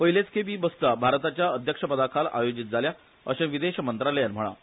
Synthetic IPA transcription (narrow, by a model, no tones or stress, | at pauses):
pəɦilet͡skʰebiːbəst̪abʱaɾt̪at͡ɕjaəd̪ʱjəkʂəpəd̪akʰalʔa̰jod͡ʑit̪̚d͡zʱalja | əɕẽʋid̪eɕəmənt̪ɾalejanm̤əɭ̃a̰